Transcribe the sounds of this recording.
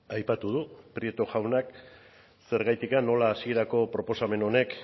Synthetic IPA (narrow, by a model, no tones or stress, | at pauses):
ajpat̪uð̞upɾiet̪oʝawnak | se̞ɾɣajt̪ikanːo̞laːsie̞ɾako̞pɾo̞po̞same̞no̞ne̞k